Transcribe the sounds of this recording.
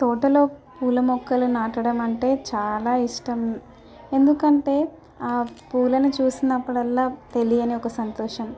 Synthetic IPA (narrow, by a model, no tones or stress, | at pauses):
t̪ɔːʈɐlo̞ːpuːlɐmɔkːɐlunaːʈɐɽɐmɐɳʈe̞ːt͡ʃaːlaːiʂʈɐm | e̞nd̪ukɐɳʈe̞ː | aːpuːlɐnut͡ʃuːsinːɐpːuɽɐlːaːt̪e̞lijɐniɔkɐsɐnt̪ɔːʂɐm